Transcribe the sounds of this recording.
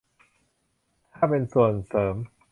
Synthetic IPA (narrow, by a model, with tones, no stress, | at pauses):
t̪ʰaː˥˩pe˧nsu˨˩ənsɤː˩˦m